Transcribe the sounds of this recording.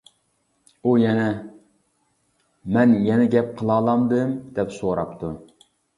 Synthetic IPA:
ujɛnɛ | mɛnjɛnɛɡʲɛp̚qʰəlˠɑːlˠɑmd̪ɨmd̪ɛpsoɾɑ̰p̚t̪ʰu

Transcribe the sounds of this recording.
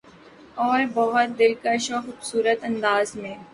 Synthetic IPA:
ɔːɾbɔɦʊt̪̚d̪ɪlkaʃoxʊːbsuːɾət̪ɐ̃nd̪aːzmẽː

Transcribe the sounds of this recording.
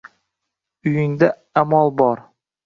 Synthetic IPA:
ʊjɪŋd̪a | amɒlˠbɒɾ

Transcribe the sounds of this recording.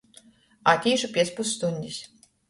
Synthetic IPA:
at̪ʲiːʃʊpʲiɛspusːt̪unʲd̪ʲisʲ

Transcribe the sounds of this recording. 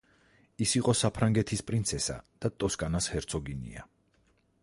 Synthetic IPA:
isiqʼɔsapʰɾaŋɡɛt̪ʰispʼɾint̪sʰɛsa̰d̪̥at̪ʼɔskʼanashɛɾt̪sʰɔɡinḭa̰

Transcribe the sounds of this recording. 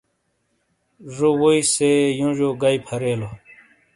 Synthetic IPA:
ʐowoisejũʑoɡaipʰɐɾeːlo

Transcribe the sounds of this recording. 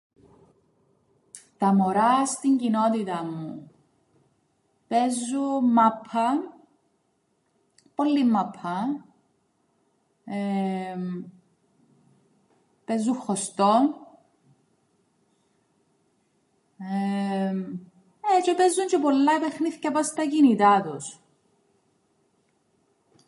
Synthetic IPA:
t̪ɐmoɾɐst̪iɲɟinot̪it̪ɐmːṵ | pezːumːɐpʰːɐ | polːimːɐpʰːɐ | e | pezːuxost̪on | e | et͡ʃepezːunt͡ʃepolːɐepexniθcɐpɐst̪ɐcinit̪ɐt̪us

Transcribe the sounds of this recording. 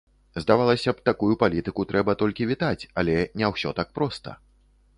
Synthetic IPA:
zd̪avalˠɐsʲɐpt̪akujupalʲit̪ɨkut̪ɾʔɛbɐt̪ɔlʲkʲivʲit̪at͡sʲalʲɛnʲɛwsʲɔt̪ak̚pɾɔst̪ɐ̰

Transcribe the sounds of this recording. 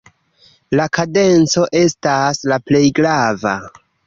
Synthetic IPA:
lakade̞nt͡so̞ʔe̞staslaple̞jɡɾava̰

